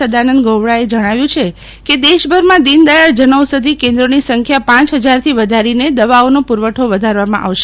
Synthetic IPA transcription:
əd̪anənd̪̚ɡoʋɽaed͡ʒəɽ̃aʋjũt͡ʃʰe | ked̪eʃbʱəɾmãd̪ind̪ajaɽd͡ʒənəʋsəd̪ʱikẽnd̪ɾonisəŋkʰjapãt͡ʃɦəd͡ʒaɾt̪ʰiʋəd̪ʱaɾined̪əʋaonopuɾʋəʈʰoʋəd̪ʱaɾʋamã̰ʔa̰ʋʃe̥

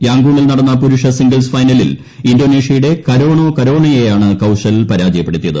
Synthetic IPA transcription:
jaːŋɡuːɳilnɐɽɐnːɐpuɾuʂɐsiŋɡɐlsfɐjnɐlḭl | indo̞ːneːʂjɐjuɽe̞kɐɾoːɳoːkɐɾo̞ːɳɐjejaːɳɨkɐwʂɐlpɐɾaːd͡ʑɐjɐpːe̞ɽut̪ːijɐðɨ

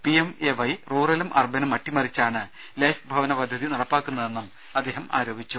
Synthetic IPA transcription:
piemeʋɐjruːrɐlumʔɐ̰rbʱɐnɐmɐʈːimɐrit͡ɕːaːɳɨ | leːfbʱɐʋɐnɐpɐd̪ʱjɐðinɐɽɐpːaːkːunːɐðe̞nːum | ɐd̪ːe̞ːɦɐma̰ːɾoːbʱit͡ɕːu

